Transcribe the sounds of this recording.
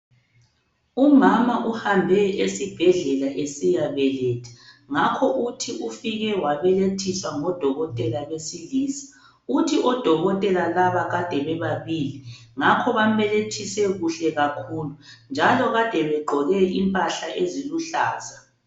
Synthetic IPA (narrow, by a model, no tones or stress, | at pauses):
umamaʔuhambʱɛesib̥ʱɛɮɛlaʔesijaβɛlɛtʰɛ̥ŋakʰɔʔutʰiufiɣɛwaβɛletʰiswaŋɔd̥ʱɔɣɔtʼɛlalesiliːsi̥ | utʰiʔɔd̥ʱɔɣɔtʼɛlalaβaɣad̥ʱɛβɛβaβiliŋakʰɔβam̩βɛletʰisɛɣuɬɛɣakʰulund͡ʒʱalɔɣad̥ʱɛβɛɡ͡ǃʱɔɣɛʔimpʼaɬaʔeziluɬa̰ːza